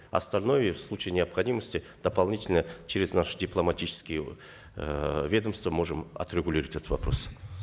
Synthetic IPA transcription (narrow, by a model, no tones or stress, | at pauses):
ɐ̰st̪alʲnojəfslˠut͡ʃɪjnʲɪɐpχɐdʲiməsʲtʲɪ | d̪̥əpalˠnʲitʲɪlʲnət͡ʃʰɪɾʲɪznaʂə̥dʲɪplˠɐmatʲit͡ʃɪ̥skʲɪjə | vʲe̞d̪əmst̪vəmo̞ʐɨmɐ̰t̪ɾʲɪɡʊlʲiɾəvətʲɛt̪ət̪vɐpɾo̞̰s